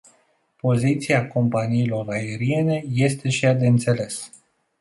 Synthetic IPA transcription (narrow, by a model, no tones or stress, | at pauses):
po̞zit̪siako̞mpaniːlo̞rae̞ɾie̞ne̞je̞st̪e̞ʃijad̪eɨnt̪se̞le̞s